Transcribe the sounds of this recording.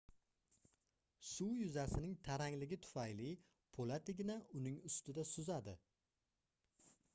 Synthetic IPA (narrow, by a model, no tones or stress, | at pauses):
sʊwjʊzasɪnɪŋt̪ʰaɾaŋlɪɡʲɪt̪ʰʊ̥fajlɪ | pʰolat̪ʰɪɡʲɪnaʊnɪŋʊst̪ɪd̪asʊzad̪ɪ